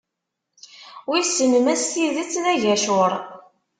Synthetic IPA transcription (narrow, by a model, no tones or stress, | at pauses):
wisənəmæst̪iðət͡sːðæʝæʃʊɾˤ